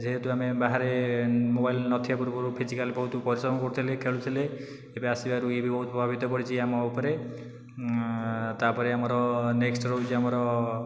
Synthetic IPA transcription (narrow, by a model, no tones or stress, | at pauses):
d͡ʒeɦet̪uamebaɦaɾemobajlnɔt̪ʰijapuɾubɔɾupʰid͡ʒikalibɔɦut̪ɔpɔɾisɾɔmɔkɔɾut̪ʰilekʰeɭut̪ʰile | ebeasibaɾuebʱibɔɦut̪ɔpɾɔbʱabit̪ɔkɔɽit͡ʃʰiamɔupɔɾe | t̪apɔɾeamɔɾɔneksʈɾod͡ʒiamɔɾɔ